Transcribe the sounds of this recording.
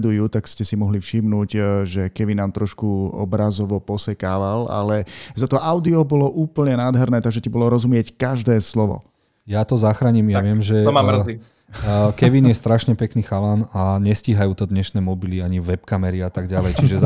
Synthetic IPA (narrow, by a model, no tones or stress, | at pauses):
d̪ujuːt̪akscɛsimɔɦlifʃimnuːɟʒɛkɛʋinaːmt̪ɾɔʃkuɔ̰bɾazɔʋɔpɔsɛkaːʋala̰lɛzat̪ɔʔaʊd̪iɔbɔlɔʔuːpl̩ɲɛnaːd̪ɦɛɾnɛːt̪aɡʒɛcabɔlɔɾɔzumɪɛckaʒd̪ɛːslɔʋɔ̰ | jat̪ɔzaxɾaːɲimjaaʋɪɛmʒɛmar̩zi | kɛʋinjɛst̪ɾaʃɲɛpɛkniːxalaːnaɲɛsciːɦajuːt̪ɔd̪ɲɛʃnɛːmɔbiliaɲiʋɛpkamɛɾiat̪aɡɟalɛjt͡ʃiʒɛ